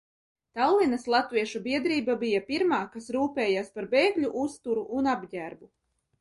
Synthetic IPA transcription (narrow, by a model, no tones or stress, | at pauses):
t̪awlˠinaslˠat̪viɛʃubiɛd̪ɾiːbabijapiɾmaːkasɾuːpɛːjaːspaɾbeːɡʎʲuʔust̪uɾuʔunabɟʲæɾbu